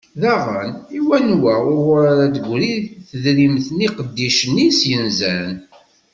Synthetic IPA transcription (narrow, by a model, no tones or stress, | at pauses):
ðæʁəniwænwæʊɾʁɾaɾæd̪əɡʷɾiθəðɾimθəniqəd̪ːiʃənːisjənzæn